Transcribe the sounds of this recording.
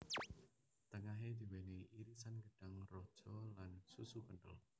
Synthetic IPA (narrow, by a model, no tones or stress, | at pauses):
t̪əŋaɦed̪̥i̤weneiɾisanɡəɖ̥aŋrɔd̥ʒ̥ɔlansusukənɖə̰l